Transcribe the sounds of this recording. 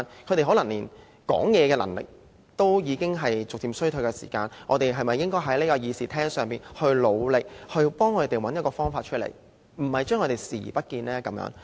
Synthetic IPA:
nkʰɵ˨˧t̪e˨˩ɦɔ˨˥lɐ˨˩ŋliː˨˩n | kɔ̰ː˨˥ŋjɛː˨˧kɛː˧lɐ˨˩ŋlɪ̰˨k̚ | t̪o˥wjiː˨˧kɪ˥ŋɦɐ˨jt͡sʊ˨k̚t̪iː˨msɥt̪ʰɵ˨˧ɥkɛ˧sḭː˨˩kaː˧nʔɔ̰ː˨˧t̪e˨jɦɐ˨jmɐ˨jːɪ˥ŋkɔː˥jɦɐ˨˥jli˥kɔː˧jiː˧siː˨t̪ʰɛː˥ŋsœː˨ŋpiː˨˩nhɵ˧ɥlo˨˧wlɪ˨k̚hɵ˧ɥpɔː˥ŋkʰɵ˨˧t̪e˨jwɐ˨˥njɐ˥t̚kɔː˧fɔː˥ŋfaː˧t̚t͡ʃʰɵ˥t̚lḛ˨˩j | m̩˨˩hɐ˨jt͡ʃœː˥ŋɔ˨˧te˨jsḭː˨˩˨pɐ˥t̚kiː˧nlɛː˥kɐ˨˥mjœ̰ː˨˥ŋ

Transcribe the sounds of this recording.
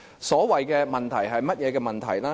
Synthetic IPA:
sɔː˨˥wɐ˨jkɛː˧mɐ˨nt̪ʰɐ˨˩jɦɐ˨jmɐ˥t̚jɛː˨˧kɛː˧mɐ˨nt̪ʰɐ̰˨˩jlaː˦˥

